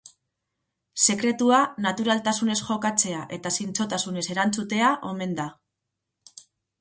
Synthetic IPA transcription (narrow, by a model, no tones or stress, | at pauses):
se̞kɾe̞t̪uanat̪uɾalt̪asune̞sʝo̞kat͡se̞aʔe̞t̪asint͡so̞t̪asune̞se̞ɾant͡sut̪e̞aʔo̞me̞nd̪a